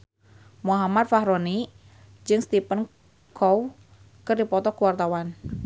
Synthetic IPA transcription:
muɦamat̪̚faɦɾoni | d͡ʒɨŋst̪ipən | kʰɔw | kɨrdipɔt̪ɔkuwart̪awan

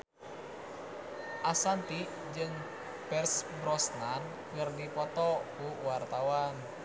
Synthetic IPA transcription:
ʔasant̪i | d͡ʒɨŋ | pɛrsbɾɔsnan | kɨrnipɔt̪ɔkuwart̪awan

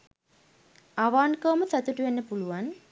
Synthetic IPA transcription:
aʋaːnkəːməsat̪uʈuʋenːəpuluʋan

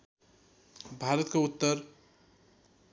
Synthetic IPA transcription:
bʱaɾət̪keut̪ːəɾ

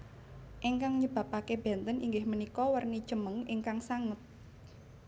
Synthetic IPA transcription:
ʔeŋkaŋɲəb̥ä̤pakeb̥ɛ̤nt̪əniŋɡɪhmənikɔwərnid̥ʒ̥əməŋiŋkaŋsaŋət̪̚

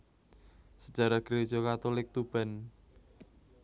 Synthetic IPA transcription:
səd̥d͡ʒ̥a̤ɾaɡ̥əɾe̥ʒ̥ɔkat̪olɪk̚t̪ub̥a̤n

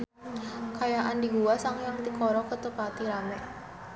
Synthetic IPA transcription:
kajaʔandiɡuasaŋjaŋt̪ikɔɾɔkət̪əpat̪iɾamɛ

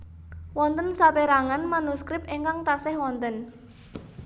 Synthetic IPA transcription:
wɔnt̪ənsapeɾaŋanmanuskɾɪp̚eŋkaŋt̪asɛhwɔnt̪ən

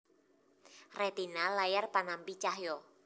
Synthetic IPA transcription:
rɛt̪inalajarpanampit͡ʃaɦjɔ

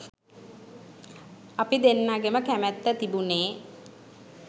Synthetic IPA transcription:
apid̪enːaɡeməkæmæt̪ːət̪ibuneː

